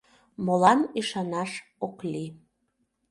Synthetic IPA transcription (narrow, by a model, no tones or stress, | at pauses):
molɑniʃɑnɑʃokli